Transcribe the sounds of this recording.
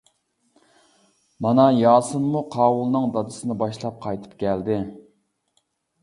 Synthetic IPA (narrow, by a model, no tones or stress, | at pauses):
mɑnɑjɑːsɨnmːuqʰɑːwulˠnɨŋd̪ɑd̪ɨsɨnɨbɑʃlˠɑp̚qʰɑjt̪ʰɨ̥pkʲʰɛld̪ɪ